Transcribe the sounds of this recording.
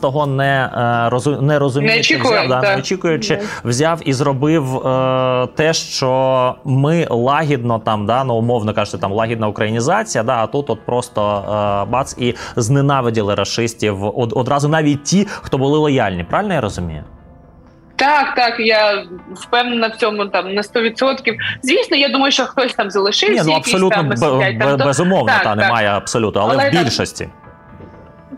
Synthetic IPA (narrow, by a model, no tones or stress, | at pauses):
t̪ɔɦɔnɛɾɔzʊnɛɾɔzʊmʲnɛikd̪anɔt͡ʃʲikʊjʊt͡ʃɪwzʲɑwizrɔbɪwət̪ɛʃt͡ʃɔmɪlˠɑɦʲid̪nɔt̪ɑmd̪ɑnuʊmɔwnɔkɑʒʊt̪ɪt̪ɑmlˠɑɦʲid̪nɐʊkɾɐjinʲizɑt͡sʲijɐd̪ɑɐt̪ut̪ɔt̪̚pɾɔst̪ɔbɑt̪siznenɑʋɪdʲilˠɪɾɐʃɪsʲtʲiwɔd̪ɔd̪ɾɑzʊnɑʋʲit̚ʲtʲːixt̪ɔbʊlˠɪlˠɔjalʲnʲipɾɑʋʲɪlʲnɔjaɾɔzʊmʲijʊ | t̪ɑkt̪ɑkjafpɛwnɐnɐwt͡sʲɔmʊt̪ɑmnɐst̪ɔʋʲɪt̪sɔt̪kʲiwzʲʋʲisnɔjad̪umɐjʊʃt͡ʃɔxt̪ɔsʲt̪amzɐlˠɪʃɪnʲinuɐpɔlʲut̪nɔb̪ʲb̪bɛzʊmɔwnɔt̪ɑnemɑjɛɐbsɔlʲut̪ːɐlˠɛɛbʲilʲʃɔsʲtʲḭ